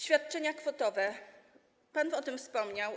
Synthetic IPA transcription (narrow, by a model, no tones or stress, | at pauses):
ɕfʲjat̪̚t͡ʂɛɲakfɔt̪ɔvɛ | panɔt̪ɘmfspɔmɲaw